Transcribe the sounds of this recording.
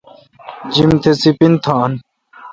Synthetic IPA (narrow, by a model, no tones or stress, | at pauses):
d͡ʑimt̪ʰesipint̪ʰaːn